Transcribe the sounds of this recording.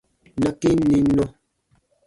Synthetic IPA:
na˦ki˦ni˨˦no˦

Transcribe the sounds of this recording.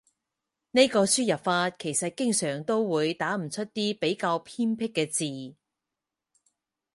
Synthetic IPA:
ne˥jkɔː˧syː˥jɐ˨p̚faː˧t̚kʰe˨˩jsɐ˨t̚kɪ˥ŋsœː˨˩ŋt̪o˥wwuː˨˧jt̪aː˨˥m̩˨˩t͡ʃʰɵ˥t̚t̪iː˥pe˨˥jkaː˧wpʰiː˥npʰɪ˥kːɛː˧t͡siː˨

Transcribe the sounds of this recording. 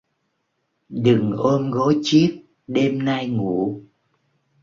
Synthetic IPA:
ɗɨ˨˩ŋʔo˧mɣɔ˨˦jt͡ɕi˦˥əp̚ | ɗe˧mna˧jŋu˧˩

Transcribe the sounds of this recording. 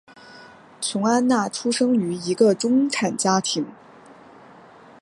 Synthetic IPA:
t͡sʰʊ˧˥ŋa˥nna˥˩ʈ͡ʂʰu˥ʂɤ˥ŋy˧˥i˧˥ɡə˧ʈ͡ʂʊ˥ŋʈ͡ʂʰa˨˩nt͡ɕja˥t̪ʰi˧˥ŋ

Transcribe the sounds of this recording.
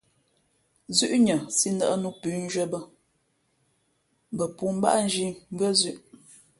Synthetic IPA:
zʉ˦ʔɲə˨si˦nə̰˨ʔə˦nu˦pʉ˨˦n̩˦d͡ʒə˦bə˦ | bə˨pu˦m̩˦ba̰˦ʔn̩˦d͡ʒi˦m˦bɰə˦zʉ˦˨ʔ

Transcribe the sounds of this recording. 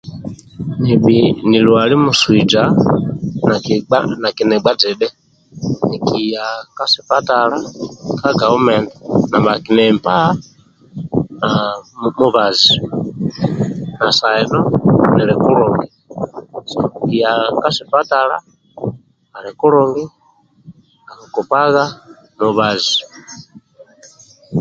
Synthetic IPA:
ni˨ɓini˨lu˨a˨li˦mu˨swi˨d͡ʒa˦ | na˨kana˨kinɛ˨ɡ͡ba˦d͡zɛ˨ɗɛ˦ | ni˨ki˨ja˨ka˦si˨pa˦ta˨la˦ka˦ɡa˨u˦mɛ˨ndana˨mba˨ki˨nɛmpa˦ | amu˦βa˨zi | na˨sa˨ɛnɔ˦˨nɛ˨lɛ˨ku˦ɾɔŋɡi˨ | sa̰˨kija˨ka˦si˨pa˦ta˨la̰˦ | a˨lɛ˨ku˦ɾɔŋɡi˦ | a˨ku˨ku˨pa˦ɣa˦ | nuβa˨zi

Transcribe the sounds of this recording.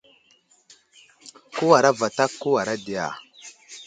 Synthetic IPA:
ko˦wa˨ɾa˦va˨ta˦kːo˦wa˨ɾa˦di˨ja̰˨

